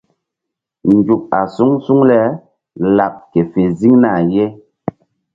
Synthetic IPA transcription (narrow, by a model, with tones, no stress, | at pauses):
n̩˨d͡ʒu˨k̚a˨su˦ŋsu˦ŋlɛ˦ | la˨p̚ke˨fe˨zi˦ŋna˦˨je˦